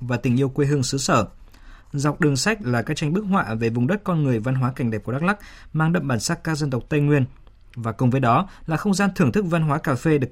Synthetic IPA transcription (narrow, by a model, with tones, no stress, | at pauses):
vaː˨˩t̪ï˧˩ŋ̟ʔi˧əwkwe˧ɦɨ˧əŋsɨ˨˦səː˧˩ | za˨˩wk͡p̚ɗɨ˨˩əŋsa˦˥jk̟̚laː˨˩kaː˦˥k̚t͡ɕa˧ŋ̟ɓɨ˦˥ək̚ɦwa̰ː˧˨ve˨˩vʊ˨˩ŋ͡mɗə˦˥t̚kɔ˧nŋɨ˨˩əjva˧nɦwaː˨˦ka˧˩ŋ̟ɗɛː˨˩p̚ka˦˥k̚la˦˥k̚maː˧ŋɗə̰˧˨mɓaː˧˩nsaː˦˥t̚kːaː˦˥k̚zə˧nt̪ə˨˩wk͡p̚t̪ə˧jŋwi˧ən | vaː˨˩kʊ˨˩ŋ͡mvə˨˦jɗɔ˨˦laː˨˩xə˧wŋ͡mzaː˧nt̪ʰɨ˨˩əŋt̪ʰɨ˦˥k̚va˧nɦwaː˨˦kaː˧˩fe˧ɗɨ˨˩ək̚